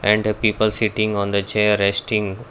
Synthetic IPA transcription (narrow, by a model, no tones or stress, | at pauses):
ɛ̃ɳɖpiːpəlsiʈɪ̃ŋɡɔ̃nd̪ət͡ʃeːɾesʈɪ̃ŋɡ